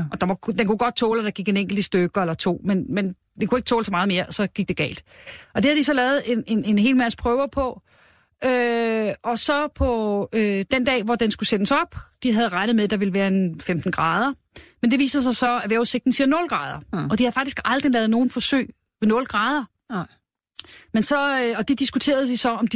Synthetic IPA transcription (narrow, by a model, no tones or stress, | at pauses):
ʔɒ̽d̥ɑʋɒd̥enkʰuɡ̥ɒ̽d̥̚t͡sʰɔːlæd̥ɑɡ̥iɡ̥eneŋ̰ɡ̥l̩d̥əsd̥øɡ̥ɐelɐt͡sʰo̝̰ːmenmen | d̥ekʰue̝ɡ̥t͡sʰɔːlsɒ̽mɑ̈ːð̞̩ˠme̝ːɐsɒ̽ɡ̥iɡ̥̚d̥e̝ɡ̥ɛ̰ːld̥ʔɒ̽d̥e̝hæðˠd̥isɒ̽lɛːʊð̩ˠe̝ne̝ne̝nɦe̝̰ːlmæspʰʁœʊɐpʰɒ̽ | ʔøʔɒ̽sɒ̽pʰɒ̽ød̥end̥ɛ̰ːʋɒd̥ensɡ̥usenəsɒ̽b̥d̥iɦæð̞̩ˠʁɑ̈ɪnð̩ˠmeðd̥ɑ̈ʋe̝ləʋæːɐenfemd̥n̩ɡ̥ʁɑ̈ːð̞ˠɐ | mend̥e̝ʋḭːsɐð̩ˠs̬ɑ̈ɪsɒ̽æʋæɐuse̝ɡ̥̚d̥n̩siɐnɔ̽lɡ̥ʁɑ̈ːð̞ˠɐɒ̽d̥ihæðˠfɑ̈ɡ̥̚isɡ̥ɑ̈ld̥ʁilɛːð̞̩ˠno̝ːn̩fɒ̽sø̰ːɪ̰ | ʋe̝nɔ̽lɡ̥ʁɑ̈ːð̞ˠɐ | mensɒ̽ɒ̽d̥e̝d̥isɡ̥ut͡sʰe̝̰ːɐð̞ˠd̥isɒ̽ɒ̽md̥i